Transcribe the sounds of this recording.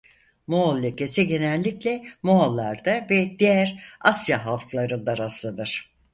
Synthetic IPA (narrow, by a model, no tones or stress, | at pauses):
moolʲːecesiɟe̞nɛlʲːiclʲɛmoalˠːaɾd̪avɛd̪̥ijæɾasjaɦalˠklˠaɾɯnd̪aɾaslˠad̪ɯɾ̥